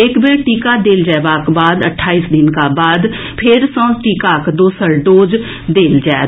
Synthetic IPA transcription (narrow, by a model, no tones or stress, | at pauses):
ɪkbeɾʈiːkaːd̪eːld͡ʒɛːbaːkbaːd̪əʈʰːaːiːsd̪ɪnkaːbaːd̪ | pʰɪɾsɔ̃ːʈiːkaːkd̪oːsəɾɖ̪oːd͡ʒ | d̪eːld͡ʒɛː